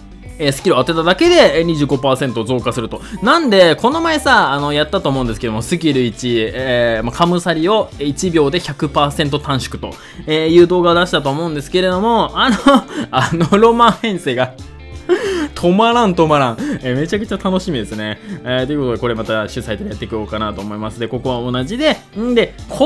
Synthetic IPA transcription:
eːsɨ̥kʲiɾoat̪ːe̞t̪ad̪ake̞d̪e̞ɲ̟iʑɨːɡo̞paːsẽ̞nt̪ozo̞ːkasɨɾɯ̟t̪o̞nãnd̪e̞ko̞no̞maesaːno̞jat̪ːat̪oːmoɯ̃nd̪esɨ̥keomosɨkʲiɾɯ̟it͡ɕiemakʰamɯ̟saɾʲio̞it͡ɕibʲo̞ːd̪e̞çakɯ̟paːsent̪o̞t̪ãɰ̃ɕi̥kɯ̟̥t̪o̞̰ | eːjɯ̟ːd̪o̞ːɡaod̪aɕi̥t̪at̪o̞ːmo̞ɯ̃nd̪e̞sɨ̥ke̞ɾe̞d̪o̞mo̞anoanoɾo̞mãɰ̃hẽ̞ɰ̃se̞ːɡa | t̪ʰo̞maɾãnt̪o̞maɾãŋ̃eːme̞t͡ɕakɯ̟̥t͡ɕat̪ano̞ɕimʲid̪e̞sɨne̞t̪o̞jɯ̟ko̞t̪ako̞ɾe̞mat̪aɕɨsait̪oɾejat̪ːe̞ikɯ̟o̞ːkanat̪o̞ːmo̞imasɨd̪e̞ko̞ko̞β̞ao̞naʑid̪e̞ | d̪e̞kʰo

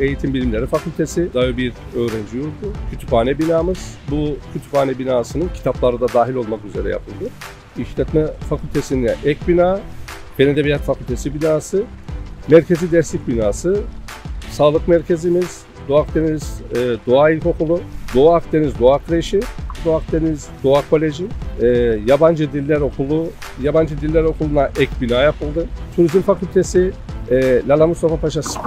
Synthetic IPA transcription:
e̞jit̪ʰimbilʲimlʲe̞ɾifacʰylʲt̪ʰe̞sid̪aːjybiɾø̞ːɾɛnd͡ʒijoɾd̪ʊcʰyt̪ʰypaːnɛbinaːmɯz̥bucʰyt̪ʰy̥paːnɛbinaːsɯnɯncʰi̥t̪ʰaplˠaɾɯd̪ad̪aːɦilʲo̞lˠmakyze̞ɾɛ̰ja̰pʰɯlˠd̪ɯ | iʃlʲɛt̪mɛfacʰylʲt̪ʰe̞siniɛʔɛcbinaː | pʰened̪ebijat̪facʰylʲt̪ʰe̞sibinaːsɯmɛɾcʰe̞zid̪ɛɾslʲic̚binaːsɯ | saːlˠɯkmɛɾcʰe̞zimiz̥ | d̪oak̚t̪ʰe̞niz̥ːd̪oailʲko̞kulˠud̪oaakt̪ʰe̞nizd̪oakʰɯɾeʃid̪oak̚t̪ʰe̞nizd̪oakʰo̞lʲe̞ʒiɛːjaband͡ʒɯd̪ilʲːæɾokʰulˠu | jaband͡ʒɯd̪ilʲːæɾo̞kulˠunaʔɛcbinaːjapʰɯlˠd̪ɯt̪ʰuɾizimfakylʲt̪ʰe̞siɛːlʲalˠamust̪ʰofapaʃas

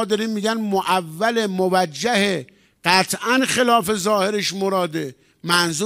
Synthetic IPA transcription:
d̪ɒɾimmːiːɡænmoʔævːælemovæd͡ʒːæhe | ɢ̥æt̪ʰʔænxelɒːfe̞zɒːheɾeʃmoɾɒːd̪e | mænzu

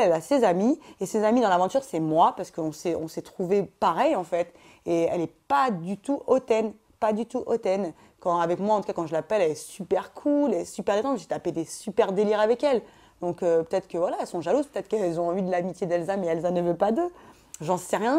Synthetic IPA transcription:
ɛlasezamiesezamid̪ɑ̃lavɑ̃t̪yʁsɛmwapaʁsə̥kəɔ̃sɛɔ̃sɛt̪χuvepaʁɛjɑ̃fɛt̪ | eɛlɛpad̪yt̪uʔɔt̪ɛn | pad̪yt̪uʔɔt̪ɛn | kɑ̃avɛkmwaɑ̃t̪u̥kakɑ̃ʒəlapɛlɛlɛsypɛʁkʰulɛɛsypɛʁd̪et̪ɑ̃i̥ɛt̪aped̪esypɛʁd̪eliʁavɛkɛl | d̪ɔ̃køpø̥t̪ɛt̪χkəvwalaɛlsɔ̃ʒaluzpø̥t̪ɛt̪χəkɛlzɔ̃ɑ̃vid̪əlamit̪jed̪ɛlzamɛɛlzanəvøpad̪ø | ʒɑ̃sɛʁjɛ̃

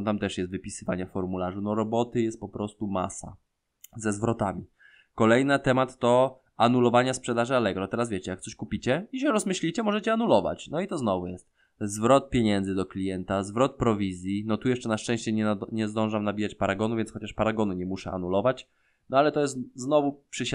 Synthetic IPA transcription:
t̪amt̪ɛʂjɛst̪vɘpʲisɘva̰ɲɛffɔɾmulaʐunɔɾɔbɔt̪ɘjɛst̪̚pɔpɾɔst̪uma̰sa̰ | zɛzvɾɔt̪amʲi | kɔlɛjnat̪ɛmat̪ːɔ | anulɔvaɲaspʂɛd̪aʐɘalɛɡɾɔt̪ɛɾasvʲet͡ɕɛjak̚t̪sɔɕkupʲit͡ɕɛiɕɛɾɔzmɘɕlʲit͡ɕɛmɔʐɛt͡ɕɛanulɔva̰t͡ɕnɔit̪ɔznɔvujɛst̪̚ | zvɾɔt̪̚pʲjeɲɛnd̪zɘd̪ɔklʲijɛnt̪azvɾɔt̪̚pɾɔvʲizʲjinɔt̪ujɛʂt͡ʂɛnaʂt͡ʂɛ̃ɕt͡ɕɛɲɛɲɛzd̪ɔ̃ʐamnabʲijat͡ɕpaɾaɡɔnuvʲjɛnsxɔt͡ɕaʂpaɾaɡɔnuɲɛmuʂɛ̰a̰nulɔvat͡ɕ | nɔalɛt̪ɔjɛst̪znɔvupʂɛɕ

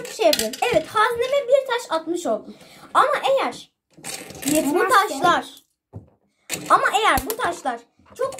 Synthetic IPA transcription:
ʃejapʰlˠinɛvɛt̪hazlʲemɛbiɾt̪ʰaʃat̪mɯʃo̞lˠd̪uamaʔe̞jæɾ̥ | ut̪ʰaʃlˠaɾ̥ | amaʔe̞jæɾbut̪ʰaʃlˠaɾ̥ | t͡ʃʰo̞k

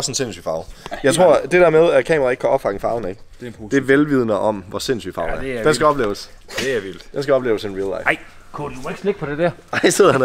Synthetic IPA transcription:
sn̩se̝nsy̰fɑ̈ʊjɑ̈ɪt͡sʰʁo̝ɐ̰d̥e̝d̥æɐmeð̞ˠæɐkʰɛ̰ːmɐʁɑ̈eɡ̥kʰæɒ̽b̥fɑ̈ɡ̥ŋ̩fɑ̈ʊn̩eɡ̥d̥d̥e̝ʋelʋið̞ˠnəʔɒ̽mʋɒse̝nsy̰fɑ̈ʊæɐd̥ensɡ̥æɒ̽b̥le̝ːʊəs | eæil̰d̥d̥ensɡ̥æɒ̽b̥lḛːʊəsenʁilɑ̈ɪɪ̰ | kʰudueɡ̥sne̝ɡ̥̚pʰɒ̽d̥ed̥æɐɑɪ̰seð̰ˠɐæn

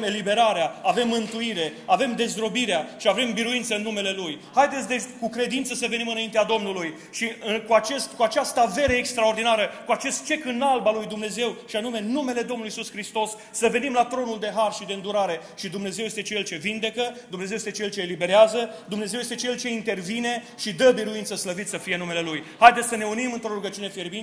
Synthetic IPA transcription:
e̞libe̞ɾaɾeaave̞mːɨnt̪uiɾe̞ave̞md̪e̞zɾo̞biɾeaʃiave̞mbiɾuint̪səɨnːume̞le̞lujhajd̪et̪sʲd̪e̞kukɾe̞d̪int̪səsəve̞nimɨnaint̪ead̪o̞mnuluj | ʃiɨkuat͡ʃe̞st̪kuat͡ʃast̪əave̞ɾəekst̪ɾao̞rd̪inaɾəkuat͡ʃe̞st̪̚t͡ʃe̞kɨnalbalujd̪umne̞ze̞wʃianume̞nume̞le̞d̪o̞mnlujisuskɾist̪o̞sːəve̞nimlat̪ɾo̞nuld̪e̞ɦarʃid̪eɨnd̪uɾaɾe̞ʃid̪umne̞zewjest̪e̞t͡ʃe̞lt͡ʃe̞vind̪e̞kəd̪umnezewjest̪et͡ʃe̞lt͡ʃeːlibe̞ɾeazəd̪umne̞ze̞wjest̪et͡ʃe̞lt͡ʃe̞int̪e̞rvine̞ | ʃid̪əbiɾuint̪səsləvit̪səfije̞nume̞le̞lujhajd̪et̪sʲsəne̞unimɨnt̪ɾo̞ɾuɡət͡ʃiune̞firbi

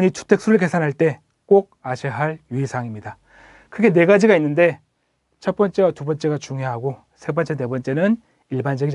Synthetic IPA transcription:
ɲitʰu̥tʰe̞k̚s͈ʰuɾɯɭke̞sʰanɦaɭt͈e̞ | k͈oɡ̚aɕʰeɦaɭjuisʰaŋimɲida | kɯɡe̞ne̞ɡad͡ʑiɡainːɯnde̞ | t͡ɕʰʌt̚p͈ʌnt͡ɕ͈e̞watubʌnt͡ɕ͈e̞ɡat͡ɕuŋjoɦaɡo | sʰe̞bʌnt͡ɕ͈e̞ne̞bʌnt͡ɕ͈e̞nɯn | iɭband͡ʑʌɡi

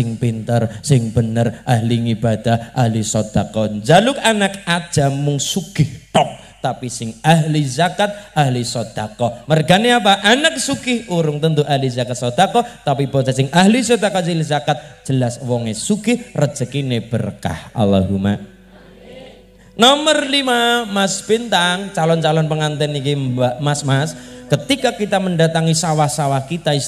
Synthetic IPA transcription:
sɪŋpint̪ərsɪŋb̥ənərʔaɦliŋib̥ad̪̥aʔahlisɔd̪̥akɔnd͡ʒalʊkanakad̥ʒ̥a̤mʊŋsuɡ̥ɪht̪ɔp̚ | t̪apisɪŋaɦlizakat̪̚ʔahlisɔd̪̥a̤kɔmərɡaneapaʔanak̚suɡɪhuɾʊŋt̪ənt̪uʔaɦlizakat̪̚sɔd̪̥akɔt̪apib̥ɔt͡ʃasɪŋʔaɦlis̬ɔd̪akɔsilizakat̪̚d͡ʒ̥əlaswɔŋesukɪhrəd̥d͡ʒ̥ə̤kineb̥ərka̰hʔa̰la̰ɦuma̰ʔ | nɔmərlimamasb̥int̪aŋt͡ʃalɔnt͡ʃalɔnpəŋant̪ɛnikibamasmaskət̪ikakit̪aməɳdat̪aŋisawahsawahkit̪ai

